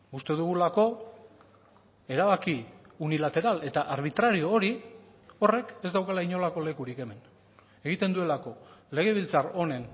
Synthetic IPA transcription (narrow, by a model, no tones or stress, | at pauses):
ust̪e̞ðuɣulako̞ | e̞ɾaβaki | unilat̪e̞ɾale̞t̪aʔaɾβ̞it̪ɾaɾio̞ːɾi | o̞re̞kezd̪awkalaiɲo̞lako̞le̞kuɾike̞me̞n | e̞ɣ̞it̪e̞nd̪ue̞lako̞le̞ɣ̞e̞β̞ilt͡saro̞ne̞n